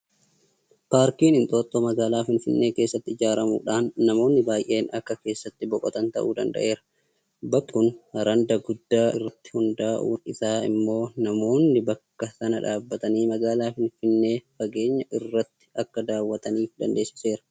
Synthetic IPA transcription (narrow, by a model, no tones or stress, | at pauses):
paːɾkiːnɪnt̪ʼo̞ːt̪ːomɐɡaːlaːfɪnfɪnːe̞ːke̞ːsːɐt̪ːɪɪd͡ʒaːɾɐmṵːᶑaːnːɐmo̞ːnːɪbaːjʔe̞ːnɐkːɐke̞ːsːɐt̪ːɪbɔkʼɔ̰t̪ɐnt̪ɐ̰ʔuːd̪ɐ̰nd̪ɐ̰ʔe̞ːɾɐ | bɐkːʊnhɐɾɐnd̪ɐɡʊd̪ːaːɪ̰rːɐt̪ːɪ̥hʊnd̪aːʔuːnɪsaːɪ̰mːo̞ːnɐmo̞ːnːɪbɐkːɐsɐnɐᶑaːbːɐt̪ɐniːmɐɡaːlaːfɪnfɪnːe̞ːfɐɡe̞ːɲːɐʔɪrːɐt̪ːɪ̥ɐkːɐd̪aːwːɐt̪ɐniːfd̪ɐnd̪e̞ːsɪ̥se̞ːɾɐ̥